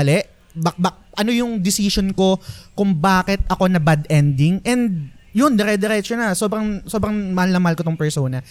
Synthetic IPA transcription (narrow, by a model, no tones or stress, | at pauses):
lɛʔ | bɐbɐ | ʔɐno̞jʊŋd̪ɪsiʃonko̞kʊŋbaːkɛt̪̚ʔɐko̞nɐbɐd̪ɛnd̪ɪŋʔɛnd̪̚jʊnd̪ɛɾɛd̪ɛɾɛt͡ʃonɐso̞ːbɾɐŋso̞ːbɾɐŋmɐlɐmɐlkot̪ʊŋpɛɹsoːnɐ